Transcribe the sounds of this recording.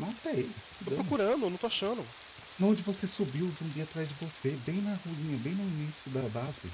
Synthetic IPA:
nɐ̃t̪ej | t̪opɾokuɾɐ̃d̪ʊnɐ̃w̃t̪oaʃɐ̃nʊ | nõd͡ʒɪvosesubiwd͡ʒũbiat̪ɾazd͡ʒɪvosebẽj̃nɐhuĩɲɐbẽj̃nʊinisjʊd̪ɐbazɪ̰

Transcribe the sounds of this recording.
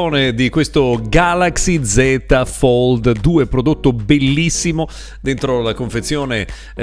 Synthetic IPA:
oːned̪ikwest̪oɡalaksid̪zɛt̪afɔld̪d̪uːepɾod̪ot̪ːobelːisːimo | d̪ent̪ɾolakoɱfet̪sːjoːne

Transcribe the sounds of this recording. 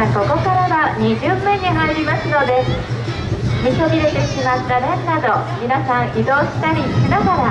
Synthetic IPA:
ko̞ko̞kaɾaβaɲ̟iʑɨːmːẽɲ̟ːiɦaiɾʲimasɨno̞d̪e̞ | mʲisobʲiɾe̞t̪e̞ɕimat̪ːanẽnːad̪o̞mʲinasãɰ̃ʔid̪o̞ːɕi̥t̪aɾʲisinomõ

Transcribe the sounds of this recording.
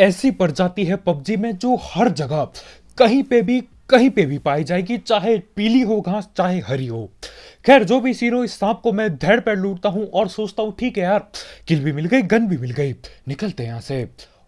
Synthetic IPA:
ɛːsipɐɾd͡ʒaːt̪iɦɛpɐb̚d͡ʒimẽd͡ʒoːhɐɾd͡ʒɐɡə | kɐɦĩpebʱi | kɐɦĩpebʱipaːid͡ʒaːeːɡit͡ʃaːɦepiːliɦoɡʱãːst͡ʃaːɦeɦɐɾiɦoːxɛːɾd͡ʒoːbʱisiːɾõɪsːãːp̚komɛ̃d̪ʱɛːɽpeluːʈt̪aɦũʔɔːɾsoːt͡ʃt̪aɦũʈʰiːkɦɛjaːɾkɪlbʱimɪlɡɐiɡɐnbʱimɪlɡɐinɪkəlt̪eɦjãːse

